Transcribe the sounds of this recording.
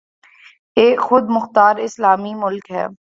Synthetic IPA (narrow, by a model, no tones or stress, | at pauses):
eːkxʊd̪mʊxt̪aːɾɪslaːmimʊlkɦɛ̰ː